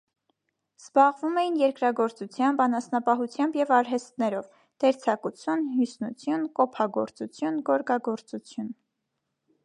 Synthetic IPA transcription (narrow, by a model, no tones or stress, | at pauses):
z̥bɑʁvumɛjinjɛɾkɾɑɡɔɾt͡sut͡sʰjɑmbɑnɑsnɑpɑɦut͡sʰjɑmbjɛvɑɾɦɛst̪nɛɾɔv | d̪̥ɛɾt͡sʰɑkut͡sʰjunɦjusnut͡sʰjunkɔpʰɑɡɔɾt͡sut͡sʰjunɡɔɾkɑɡɔɾt͡sut͡sʰjun